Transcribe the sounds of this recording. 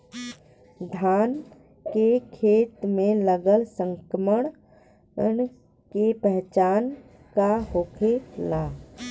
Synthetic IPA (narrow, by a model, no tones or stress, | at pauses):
d̪ʱaːn | kekʰeːt̪mẽləɡəlsə̃ŋkəməɳ | n | kepɛɦt͡ʃaːn | kahoːkʰelaː